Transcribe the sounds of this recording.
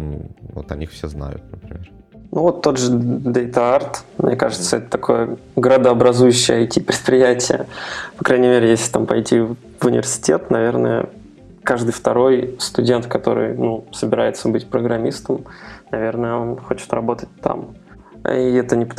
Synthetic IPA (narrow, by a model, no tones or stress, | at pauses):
vo̰t̪ɐ̰nʲixfsʲezna̰jʊ̰t̪̚nəpɾʲɪmʲeɾ | nuvo̞t̪ːo̞d̪ʐɨd̪ejt̪əart̪mnʲekaʐɨt̪səɛt̪ə̥t̪ɐkʰo̞jəɡəɾəd̪əɐbɾɐzujʉɕːɪjəɐjtʲipɾʲɪt̪̚pɾʲɪjætʲɪjə̰pɐkɾʔajnʲɪmʲeɾʲɪjesʲlʲɪ̥t̪ampɐjtʲi | vʊnʲɪ̰vʲɪrsʲɪ̥tʲe̞t̪nɐvʲe̞rnə̰jə̰ | kaʐd̪ɨjft̪ɐɾo̞jst̪ʊdʲe̞nt̪kɐt̪o̞̰ɾɨ̰jnusəbʲɪɾajɪt̪səbɨtʲpɾəɡɾɐmʲːist̪əmnɐvʲe̞rnəjəo̞nxo̞t͡ɕɪ̥t̪rɐbo̞t̪ət̚ʲt̪a̰m̰ | iɛt̪ənʲɪp